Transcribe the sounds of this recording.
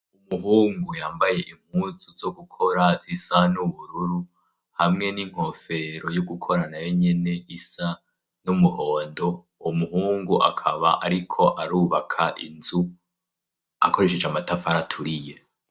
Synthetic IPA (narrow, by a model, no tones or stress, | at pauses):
umuɦuːŋɡujaːmbaje̞ʔim̥huːzuzo̞ɡukʰo̞ɾazisanuβuɾuɾu | hamŋe̞niŋ̥ho̞fe̞ɾo̞joɡukʰo̞ɾanajo̞ɲe̞ne̞ʔisa | numuho̞ːndo̞ | umuhuːŋɡuʔa̰kʰa̰βa̰ʔaɾikʰo̞ʔaɾuːβakʰaʔinzu | a̰kʰo̞ɾe̞ʃed͡ʒamatafaɾatʰuɾije